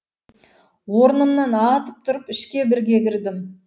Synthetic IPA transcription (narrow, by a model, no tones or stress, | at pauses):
wo̞ɾnəmnɑnɑt̪ə̥p̚t̪ʰʊɾəpɪʃkʲe̞bɪɾɡʲekʲɪɾd̪ɪm